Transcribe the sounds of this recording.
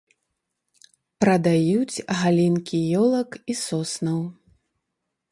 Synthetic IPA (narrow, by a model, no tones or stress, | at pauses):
pɾɐd̪ajut͡sʲɣalʲinkʲijɔlˠɐkisɔsnɐw